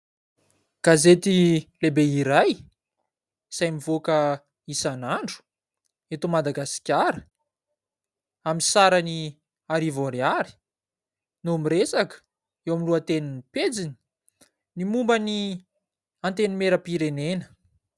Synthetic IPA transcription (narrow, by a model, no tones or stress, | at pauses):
ɡ̥azet̪ilebeiɾaj | z̥ajmivokə | isanaɳɖ͡ʐu̥ | et̪omad̪aɡasi̥kʲaɾə̥ | aminsaɾani | aɾivoɾiaɾi̥ | nomiɾesakə̥ | ewamiluat̪eniniped͡zini̥ | nimumbəni | ant̪enimeɾəpiɾenenə̥